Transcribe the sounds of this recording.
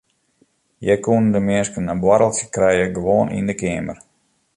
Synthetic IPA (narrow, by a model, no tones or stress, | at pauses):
jɛkuəndəmɪəskənːabwaɾəlˠsəkrɛjəɡəʋoːnʔḭndəkɪːmər